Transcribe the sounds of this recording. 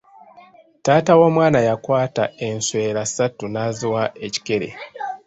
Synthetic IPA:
taːtawo̞ːmwaːnajakwaːtae̞nswe̞ːɾasatunaziwaʔe̞ci̥ke̞ɾe̞̰

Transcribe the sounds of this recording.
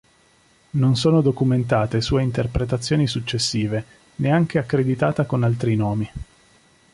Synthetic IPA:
nonsoːnod̪okument̪aːt̪esuːeint̪erpɾet̪̬at̪sːjoːnisut͡ʃːesːiːve | neaŋk̟eakːɾed̪it̪aːt̪akonalt̪ɾinoːmi

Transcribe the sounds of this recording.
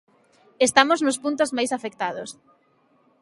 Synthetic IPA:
est̪amoznʊspunt̪ozmajsafekt̪aðos

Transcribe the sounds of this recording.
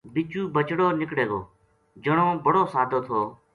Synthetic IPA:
bɪt͡ʃuːbət͡ʃɽoːnɪkɽeːɡoː | d͡ʒəɽ̃oːbəɽoːsaːd̪ʱoːt̪ʰoː

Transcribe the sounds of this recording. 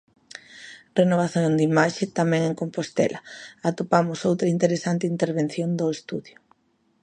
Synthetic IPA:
renoβ̞aθjoŋd̪imaʃɪt̪amɛ̃ŋeŋkompost̪ɛ̰lɐat̪opamʊsowt̪ɾɐint̪eɾesant̪ɪint̪eɾβ̞en̟θjond̪oest̪uðjʊ

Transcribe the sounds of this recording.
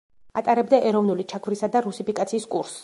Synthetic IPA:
at̪ʼaɾɛbd̪aʔɛɾɔvnulit͡ʃʰakʰvɾisad̪aɾusipikʼat̪sʰiːskʼuɾs

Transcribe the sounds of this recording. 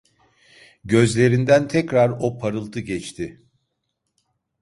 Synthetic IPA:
ɟø̞zlʲe̞ɾind̪ænt̪ʰɛcɾaɾo̞pʰaɾɯlˠt̪ʰɯɟɛt͡ʃt̪ʰɪ

